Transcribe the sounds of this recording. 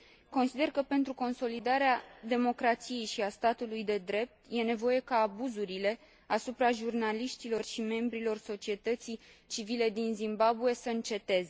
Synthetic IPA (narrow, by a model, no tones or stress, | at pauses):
ko̞nsid̪e̞rkəpe̞nt̪ɾuko̞nso̞lid̪aɾead̪e̞mo̞kɾat̪sije̞jʃiast̪at̪ulujd̪e̞d̪ɾe̞p̚t̪je̞ne̞vo̞je̞kaːbuzuɾile̞ | asupɾaʒurnaliʃt̪ilo̞rʃime̞mbɾilo̞rso̞t͡ʃie̞t̪ət̪sit͡ʃivile̞d̪inzimbabue̞səɨnt͡ʃe̞t̪e̞ze